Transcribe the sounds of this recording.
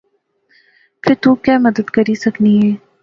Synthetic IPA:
pʰɪɾt̪uːkjaːmɐd̪əd̪kɐɾisɐkniɦɛː

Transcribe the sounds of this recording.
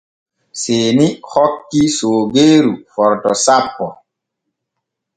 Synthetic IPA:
seːnihɔkːisoːɡeːɾufɔɾtɔsapːɔ

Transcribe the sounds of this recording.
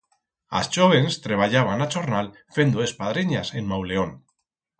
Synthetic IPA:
a̰st͡ʃoβe̞nst̪ɾeβ̞aʎaβ̞anat͡ʃoɾnal | fe̞nd̪oespaðɾeɲase̞nmawle̞on

